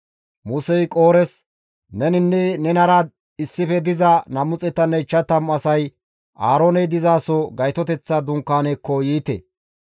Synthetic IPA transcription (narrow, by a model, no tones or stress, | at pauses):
mʊsɛjkʼoːɾɛs | nɛnɪnːɛnɛnɐɾad̪̚ | ɪsːɪfɛd̪ɪzɐnɐmʊt͡sʼɛt̪ːɐnːɛt͡ʃːɐt̪ɐmɐsɐj | ʔaːɾoːnɛd̪ɪzaːsɔɡɐjt̪ɔt̪ɛt͡sːɐd̪ʊŋkːaːnɛkːɔjiːt̪ɛ̰